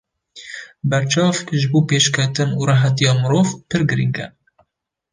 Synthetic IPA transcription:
bɛɾt͡ʃɑːvʒɨboːpeːʃkʰɛt̪ɨnuɾɑɦɛt̪ijɑːmɨɾoːvpʰɨɾɡɨɾiŋɡɛ̰

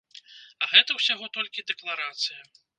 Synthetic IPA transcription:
ɐɣɛt̪ɐwsʲaɣɔt̪ɔlʲkʲid̪ɛklˠaɾat̪sɨjɐ

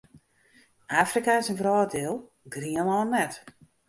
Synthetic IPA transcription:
ʔaːfrikasənvrɔːdɪlˠ | ɡriənɔːnɛt

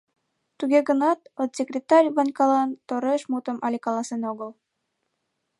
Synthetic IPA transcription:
t̪uɣeɡə̆nɑt̪ot̪sʲekrʲet̪ɑrʲβɑnʲkɑlɑnt̪oɾeʃmut̪ə̆mɑlʲikɑlˠɑsenoɣəl

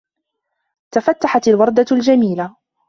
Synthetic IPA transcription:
t̪afat̪ːaħat̪alwɑɾˤd̪ald͡ʒamiːla

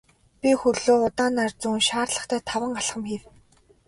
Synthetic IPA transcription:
pʲixɵɮoːʊt̪aːnart͡sunʃaːrɮə̆χt̪ʰæːt̪ʰawə̆ɴɢaɮχə̆mxiw

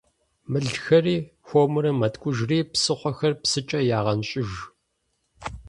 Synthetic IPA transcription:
mɨɮxɐriːxʷomɨɾɐmɐtkʷʼʊʒriːpsɨχʷɔxɐrpsɨt͡ʃʼɐjaːʁɐnɕʼɪʒ

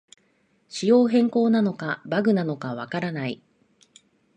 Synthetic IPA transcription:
ɕijo̞ːɦẽ̞ŋko̞ːnano̞kabaɡɯ̟nano̞kaβakaɾanai

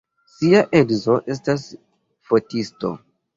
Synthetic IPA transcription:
siaʔedzo̞ʔe̞s̬tas | fo̞tisto̞̰

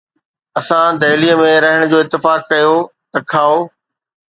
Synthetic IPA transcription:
ɐsãd̪ɐɦɪliːəmẽɾɐɦɪɽ̃d͡ʑoːɪt̪ːɪfaːkːɐjot̪ɐkʰaːoː

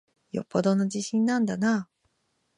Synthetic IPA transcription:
jo̰pːod̪o̞nod͡ʑiɕĩnːãnd̪ana

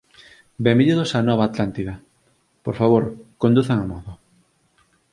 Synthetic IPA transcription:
bembiðuðosanɔβaːt̪lant̪iðɐ | poɾfaβ̞oɾkond̪uθaŋamɔðo

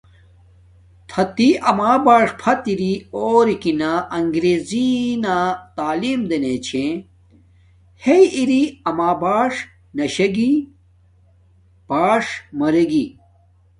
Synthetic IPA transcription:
t̪ʰɐt̪iʔɐmaːbaːʂpʰɐt̪iɾioːɾikinaʔɐŋɡɾeːzinat̪aːliːmd̪ɐnet͡ɕʰẽ | hejiɾiɐmaːbaːʂ | nɐɕɐɡi | b̥aːʂmɐɾeɡi

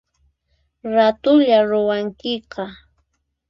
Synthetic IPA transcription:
ɾat̪ʊʎaɾʊwaŋkɪqɑ

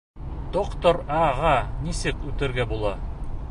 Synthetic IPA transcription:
d̪̥oqt̪oɾɑʁɑnisɘkʉt̪ɘ̆ɾɡæbulˠɑ

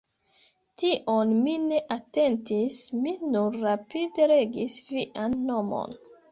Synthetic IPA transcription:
tiʔo̞nmine̞ʔate̞ntisminuɾːapideɾe̞ɡisviʔanːo̞mo̞̰n

